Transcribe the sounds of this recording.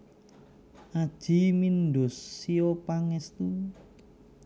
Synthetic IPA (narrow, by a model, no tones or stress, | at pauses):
ʔad̥ʒ̥i̤minɖosːiopaŋɛst̪u